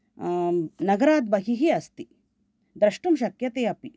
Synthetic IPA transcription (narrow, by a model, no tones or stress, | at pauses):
nɐɡɐɾaːd̪̚bɐɦiɦiɐst̪i | d̪ɾɐʂʈumʃɐkjɐt̪eːɐpi